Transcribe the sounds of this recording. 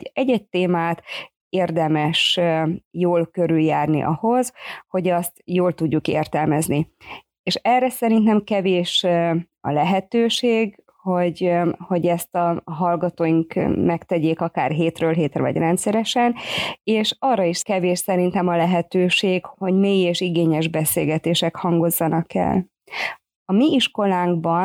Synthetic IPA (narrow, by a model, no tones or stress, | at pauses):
ɟɛɟːɛc̚t̪eːmaːt̪ | eːrd̪ɛmɛʃ | joːlkøɾyljaːrnḭʔɒho̞zho̞ɟɒst̪joːlt̪uɟːukḛːrt̪ɛlmɛzni | eːʃɛrːɛsɛɾint̪nɛmkɛveːʃ | ɒ̰lɛɦɛt̪øːʃeːɡ | ho̞ɟho̞ɟɛst̪ɒɦɒlɡɒt̪oːjiŋkmɛkt̪ɛɟeːkɒka̰ːrɦeːt̪røːlɦeːt̪rɛvɒ̰ɟrɛnt̪sɛɾɛʃɛneːʃɒrːɒiʃkɛveːʃsɛɾint̪ɛmɒlɛɦɛt̪øːʃeːɡho̞ɟmeːjeːʃiɡeːɲɛʒbɛseːlɡɛt̪eːʃɛkhɒŋɡo̞zːɒnɒkɛ̰l | ɒmiiʃko̞laːŋɡ̚bɒn